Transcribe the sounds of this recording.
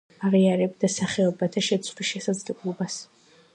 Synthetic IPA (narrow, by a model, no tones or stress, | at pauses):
aʁiaɾɛbd̪asaχɛɔbat̪ʰaʃɛt̪sʰχwisʃɛsad̪zlɛblˠɔbas